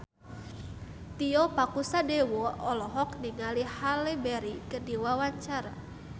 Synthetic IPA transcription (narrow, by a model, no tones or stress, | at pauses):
t̪iɔpakusadɛwɔɔlɔɦɔkniŋalihalɛbɛɾikərdiwawaɲt͡ʃaɾa